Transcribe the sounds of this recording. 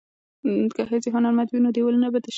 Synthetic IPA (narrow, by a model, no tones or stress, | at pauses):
kaɦət͡seɦʊnaɾmat̪winod̪ewəlnabad̪əʃ